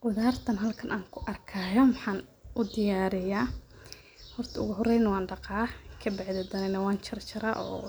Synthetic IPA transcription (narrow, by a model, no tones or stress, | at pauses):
wʊðaːrt̪ʰɐnɦɐlkʰɐnʔaːŋkʰʊʔɐrkʰaːjɐmwɑħɑːnʔʊd̪ɪjaːɾɪjaː | hɔrt̪ʰɐʊ̰ɣʊɦɔrɛjnɐwɑːnɖɑqɑːkʰɐbɪʕðɛd̪ɐnɛnɐwaːnt͡ʃʰɪrt͡ʃʰɪɾa̰ʔɔ̰ː